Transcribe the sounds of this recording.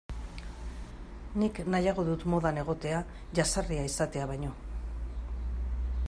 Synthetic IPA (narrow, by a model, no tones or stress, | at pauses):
niknajaɣ̞o̞ðut̪mo̞ð̞ane̞ɣ̞o̞t̪e̞a | ʝasariaisat̪e̞aβajɲo̞